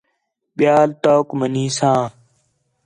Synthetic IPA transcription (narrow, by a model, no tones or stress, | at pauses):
ɓɪjaːlt̪oːkməniːsãː